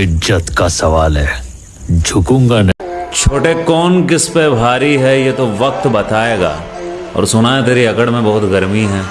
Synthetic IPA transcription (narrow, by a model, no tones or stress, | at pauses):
ɪd͡ʒət̪kasɐʋaːlɦɛː | d͡ʒʱʊkũːŋɡant͡ʃʰoːʈekɔːnkɪspebʱaːɾiɦɛjet̪oʋɐk̚t̪bɐt̪aːeːɡa̰ː | ɔ̰ːɾsʊnaet̪eːɾiɐkəɽmẽbɐɦʊt̪ɡɐɾmiɦɛː